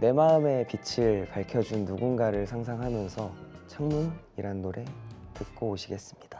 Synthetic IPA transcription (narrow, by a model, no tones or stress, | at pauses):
ne̞maɯme̞pit͡ɕʰiɭpaɭkʰjʌd͡ʑunːuɡunɡaɾɯɭsʰaŋs̬ʰaŋɦamjʌnsʰʌt͡ɕʰaŋmuniɾanːoɾʔe̞tɯk̚k͈oːɕʰiɡe̞s͈ɯmɲid̥a